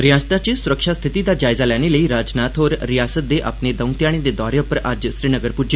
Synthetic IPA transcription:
ɾijast̪at͡ɕisuɾəkʂast̪ʰit̪id̪ad͡ʑajd͡zaljaneləiɾad͡ʑnat̪ʰɦoːɾɾijasət̪̚d̪eʔa̰pned̪ə̃w̃t̪jaɽ̃ẽd̪ed̪ɔɾjəpəɾʔad͡ʑəsɾiːnəɡəɾpud͡ʑe

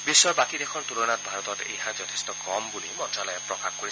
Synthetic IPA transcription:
bisːɔɹbakidekʰɔɹtulonat̚bʱaɹɔt̪ɔtḛjɦãzɔtʰestɔkɔmbulimɔdʱalɔjɛpɹɔkakkoɹis

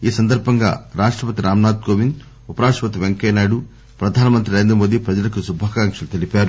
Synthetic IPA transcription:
iːsɐnd̪ɐɾbʱɐŋɡa̰ːɾaːʂʈɾɐpɐt̪iɾaːmnaːd̪̚koːʋin | upɐɾaːʂɐpɐt̪iʋeŋkɛjnaːɽu | pɾɐd̪ʱaːnɐmɐnt̪ɾiɾajnd̪ɾɐmoːd̪ipɾɐd͡ʒɐlɐkusubʱaːkaːŋkʂɐlut̪elipaːɾu

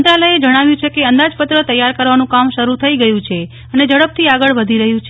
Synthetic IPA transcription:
ənt̪ɾaləjed͡ʒəɽ̃aʋjũt͡ʃʰekeənd̪ad͡ʒpət̪ɾət̪əjaɾkəɾʋanũkamʃəɾut̪ʰəiɡəjũt͡ʃʰe | əned͡ʒəɽəp̚t̪ʰiaɡəɭʋəd̪ʱiɾəɦjũt͡ʃʰe

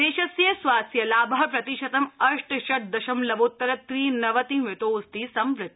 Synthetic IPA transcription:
eːʃɐsjɐsʋaːsjɐlaːbɐɦɐpɾɐt̪iʃɐt̪ɐmɐʂʈʃɐʈ̚d̪ɐʃɐmlɐbot̪ːɐɾɐt̪ɾiːnɐʋɐt̪ĩmʋɪt̪oːst̪iːsɐmʋɾɪt̪ː

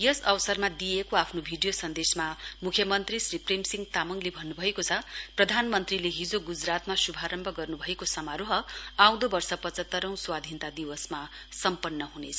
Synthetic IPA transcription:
jʌsʌwsʌrmad̪ijekoapʰnobʱiɖijosʌnd̪esmamukʰjʌmʌnt̪risriprimsiŋɡt̪amʌŋlebʱʌnːubʱʌekot͡sʰʌprʌd̪ʱanmʌnt̪rileɦid͡zoɡud͡zrat̪masubʱaɾʌmbʱʌɡʌrnubʱʌekosʌmaɾuɦʌaw̃d̪obʌrsʌpʌt͡sʌt̪ːʌɾʌ̃w̃swad̪ʱint̪ad̪iwʌsma | sʌmpʌnːʌɦunḛt͡sʰʌ

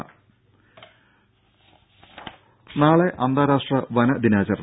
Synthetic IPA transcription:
naːɭeʔɐnd̪aːɾaːʂʈrɐʋɐnɐd̪inaːt͡ɕɐrn

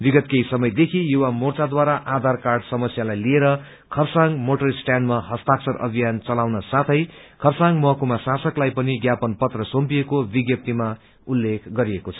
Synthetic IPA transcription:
biɡʌt̪̚kejsʌmʌjd̪ekʰijuwamort͡sad̪waɾaʔad̪ʱarkarɖsʌmʌsjalajlieɾʌ | kʰʌrsaŋɡmoʈʌrsʈjanɖmaɦʌst̪aksʌɾʔʌ̰bʱijant͡sʌlawnʌsat̪ʰʌjkʰʌrsaŋɡmʌɦʌkumasasʌklajpʌniɡjapʌnpʌt̪rʌsompiekobiɡjʌp̚t̪ima | ulːekʰɡʌɾiekot͡sʰʌ̥

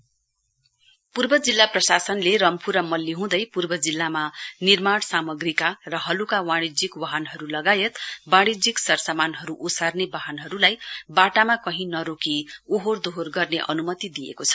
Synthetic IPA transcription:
purbʌd͡zilːaprʌsasʌnleɾʌmpʰuɾamʌlːiɦũd̪ʌjpurbʌd͡zilːamanirmaɽsamʌɡrikarʌɦʌlukawãɽ̃id͡zikwaɦʌnɦʌɾulʌɡajet̪bãɽ̃id͡ziksʌrsamanɦʌɾuʔusarnebaɦʌnɦʌɾulajbaʈamakʌɦĩnʌɾokiuɦord̪oɦorɡʌrneʔʌ̰numʌt̪id̪ijḛkot͡sʰʌ̥

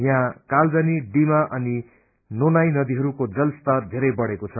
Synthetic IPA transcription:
jãkald͡zʌniɖimaʔʌni | nonajnʌd̪iɦʌɾukod͡zʌlst̪ʌd̪ʱeɾʌjbʌɽekot͡sʰʌ

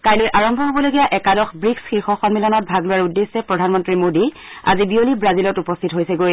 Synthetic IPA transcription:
kajlojʔaɹɔmbʱɔɦobɔloɡijaʔɛkadɔxbɹiksxiɹxɔxɔnmilɔnɔt̚bʱaɡlʊwaɹudːesːɛpɹɔdʱanmɔntɹimodia̰zibiolibɹazilɔtupɔstʰitɦojsɛɡoj

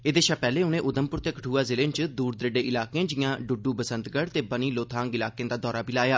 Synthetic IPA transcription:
eːd̪eːʃaːpɛːleːʊnẽːʔʊd̪əmpʊɾt̪eːkəʈʰuːaːzɪlẽːnt͡ʃəd̪uːɾd̪ɾɪɖeːʔɪlaːkeãːd͡ʒɪːjãːɖʊɖuːbəsənt̪ɡəɽt̪eːbəniːloːt̪ʰaːŋɡɪlaːkejãːd̪aːd̪ɔːɾaːbilaːjaː

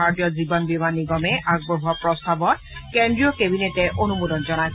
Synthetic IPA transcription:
aɹtijɔzibɔnbimanːiɡɔmɛʔaɡ̚bɔɦuɔapɹɔstabɔt̚kendɹijɔkebinetɛʔonumudɔnzɔnaj

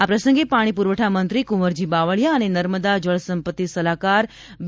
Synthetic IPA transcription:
apɾəsəŋɡepaɽ̃ipuɾʋəʈʰamənt̪ɾikuməɾd͡ʒibaʋəɭjaənenəɾməd̪ad͡ʒəɭsəmpət̪ːisəlakaɾ

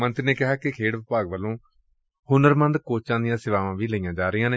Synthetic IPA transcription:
mənt̪ɾneːkɪɦaːkɪkʰeːɽʋɪpaːɡʋəlːõː | hʊnəɾmə̃nd̪koːt͡ʃãːnd̪ɪjãːsɪʋaːʋãːʋiːləijãːd͡ʒaːɾɪjãːneː

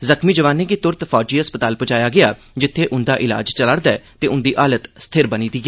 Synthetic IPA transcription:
zəkʰmiːd͡ʒəʋaːnːeːkɪt̪ʊɾt̪pʰɔːd͡ʒiːɦəspət̪aːlpət͡ʃaːjaːɡɪaː | d͡ʒɪt̪ʰːeːʔʊnd̪aːʔɪla̰ːd͡ʒt͡ʃələɽd̪aɛːt̪eːʊnd̪iːʔaːlət̪st̪ʰɪɾbəniːd̪iːɡeː

